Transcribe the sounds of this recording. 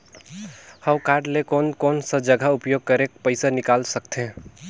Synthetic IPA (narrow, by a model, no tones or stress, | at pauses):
həʊkaɾɖlekonkoːnsə̃d͡ʒəɡʱaupjoɡ̚kəɾek̚pəɪsanɪkaːlsəkt̪ẽ